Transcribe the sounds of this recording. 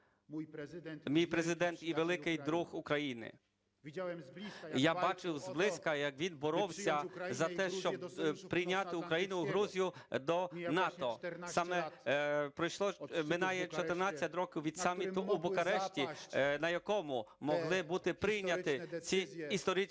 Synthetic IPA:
mʲijpɾezɪd̪ɛnt̪iʋelˠɪkɪjd̪ɾuxukɾɐjinɪ̰ | jabɑt͡ʃɪwzblˠɪsʲkɐjɐkʋʲinbɔɾɔwsʲɐzɐt̪ɛʃt͡ʃɔbpɾɪjnʲat̪ɪukɾɐjinʊɦɾuzʲijʊd̪ɔnɑt̪ɔsɑmɛ | pɾɔjʃlˠɔmɪnɑjɛt͡ʃɔt̪ernɑt͡sʲːɐtʲɾɔkʲɪwʋʲid̪̥sɑmʲit̪ʊʔubɔkɐɾɛʃtʲinɐjɐkɔmʊmɔɦlˠɪbut̪ɪpɾɪjnʲɐt̪ɪt͡sʲiist̪ɔɾʲi

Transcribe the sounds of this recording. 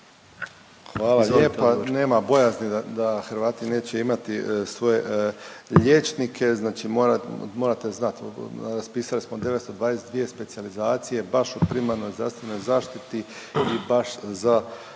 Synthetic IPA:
xʋaːlaeːpane̞ːmabo̞jazniad̪axɾʋaːt̪ine̞ːt͡ɕeimat̪isʋo̞je̞ | ʎe̞t͡ʃnikʰe̞znaːt͡ʃimoɾamo̞ːɾat̪eznat̪ɾaspiːsalismod̪e̞est̪o̞d̪ʋaːd̪esed̪ʋije̞spe̞t̪sializaːt̪sije̞baʃupɾimaɾno̞jzd̪ɾa̰st̪ʋe̞no̞jzaːʃt̪it̪i | ibaʃza

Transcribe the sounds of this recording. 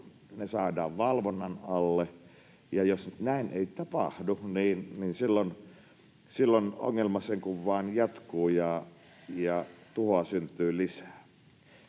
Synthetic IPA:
nesɑˑedɑːʋʋɑlʋonːɑnɑlːe | jɑjosnæˑinḛˑit̪ɑpɑ̰hduniːnninsilːon | silːono̰ŋːelmɑseŋkuʋʋɑˑːnjɑt̪kuːjɑ | jɑt̪uhoɑsynt̪ˑyːlisæ̥ː

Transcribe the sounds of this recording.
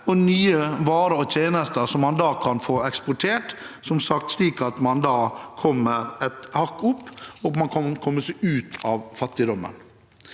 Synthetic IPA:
ɔnyːəʋɑːɾəɾɔt̪ʰeːnəst̪əsɔmːɑnd̪ɑːkʰɑnfoːɛkspʊʈʰeːʈsɔmsɑk̚t̪sliːkɑt̪mɑnd̪ɑːkʰɔmːəɾɛt̪hɑkːʊpːɔmɑnkʰɔnkʰɔmːəsɛʔʉːt̪ʰɑːʋfɑt̪ːɪd̪ɔmə̰n

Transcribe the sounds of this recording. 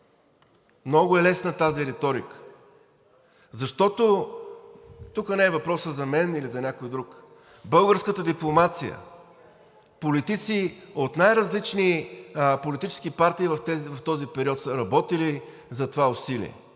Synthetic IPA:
mnɔɡʊɛlɛsnət̪aziɾɛt̪ɔɾikə̥ | zɐʃt̪ɔt̪o | t̪ukənɛːvɐpɾɔsəzɐmɛnilizɐnʲakojd̪ɾuk | bɤlˠɡəɾskət̪əd̪iplˠomat̪sijə̰ | polit̪it̪siot̪najɾɐzlit͡ʃnipolit̪it͡ʃɛ̥sk̟ipaɾt̪iːvɐft̪ɛvɐft̪ɔzipɛɾiɔt̪səɾɐbɔt̪ili | zɐt̪ovaʊsilḭɛ̰

